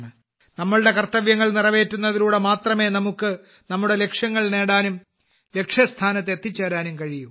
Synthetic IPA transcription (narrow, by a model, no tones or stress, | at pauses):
ɨ | nɐmːɐɭɽe̞kɐrt̪ːɐʋjɐŋːɐɭnirɐʋe̞ːtːunːɐðiɾuːɽemaːt̪rɐme̞ːnɐmukːɨ | nɐmːuɽe̞le̞kʂjɐŋːɐɭne̞ːɽaːnum | le̞kʂjɐst̪ʰaːnɐt̪ːet̪ːit͡ɕːɐːɾaːnumkɐɻijum